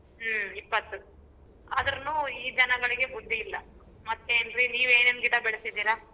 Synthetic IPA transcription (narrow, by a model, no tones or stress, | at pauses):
ipːɐt̪ːu | ɐd̪ɐɾɐnuiːd͡ʒ̪ɐnɐɡɐɭiɡe̞bud̪ːiilːɐ | mɐt̪ːeːnɾiniːʋeːneːnɡiːʈɐbɛɭesid̪iːɾa